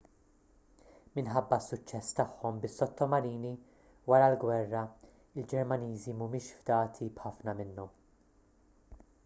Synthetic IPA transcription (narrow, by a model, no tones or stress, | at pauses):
mɪnħɐbːɐsːʊt͡ʃːɛsːt̪ɐħːɔmbɪsːɔt̪ːɔmɐɾiːni | wɐɾɐlɡwɛrːɐ | ɪld͡ʒɛɾmɐniːzimumɪːʃfd̪ɐːt̪ʰibħɐfnɐmɪnːɔm